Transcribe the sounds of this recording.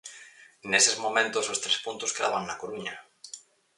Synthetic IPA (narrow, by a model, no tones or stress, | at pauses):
nesezmomẽnt̪ʊsost̪ɾespunt̪ʊskɾa̰βaŋnakoɾuɲɐ